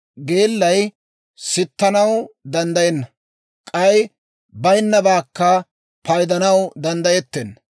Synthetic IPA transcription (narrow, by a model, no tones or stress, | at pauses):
ɡeːlːɐj | sɪt̪ːɐnɐwd̪ɐnd̪ɐjɛnːɐ | kʼɐj | bɐjnːɐbaːkːɐ | pɐjd̪ɐnɐwd̪ɐnd̪ɐjɛt̪ːen